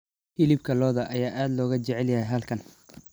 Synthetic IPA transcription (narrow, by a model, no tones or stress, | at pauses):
fɪlɪb̚kʰɐlɔːðɐʔɐjaːʔaːd̪lɔːɣɐt͡ʃɛʕɛljɐɦɛjɦɐlkʰɐn